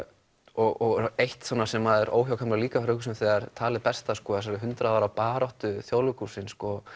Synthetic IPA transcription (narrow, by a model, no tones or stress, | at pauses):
ɔɣɔɣejht̪sɔːnasɛmaðɛɾo̰ːwçjawkʰamlaliːkafɾʏːhkʏsɛmθɛɣaɾ̥t̪ʰaːlɪpɛst̪askɔːas̬aɾɪɦʏnt̪ɾaðaːɾawpaːɾɔht̪ʏθjowlʏkusɪnskɔ